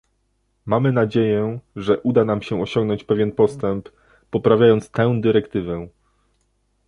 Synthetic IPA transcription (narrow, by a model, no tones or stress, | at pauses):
mamɘnad͡ʑejɛʐɛʔud̪anamɕɛɔɕɔ̃ŋɡnɔɲt͡ɕpɛvʲjɛnpɔst̪ɛmpː | ɔpɾavʲjajɔnt̪st̪ɛ̃wd̪ɘɾɛkt̪ɘvɛ